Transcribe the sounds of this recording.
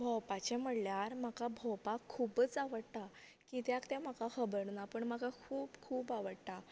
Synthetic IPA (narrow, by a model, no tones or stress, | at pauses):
bʱɔwpat͡ɕɛm̤əɽljaɾm̤akabʱɔwpakʰːuːbət͡saʋəɽt̪a | kit̪jakt̪ɛ̃m̤akakəbəɾnapəɳm̤akakʰuːbkʰuːpaʋəɽt̪a